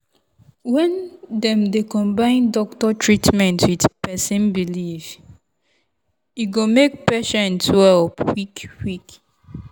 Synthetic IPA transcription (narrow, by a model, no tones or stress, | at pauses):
wɛ̃ndɛ̃mdekɔ̃mbãɪ̃ndɔk̚tɔtʰɹitmɛ̃ntwidpɛsĩnbiliv | iɡomek̚pɛʃɛ̃ntwɛlpwikwik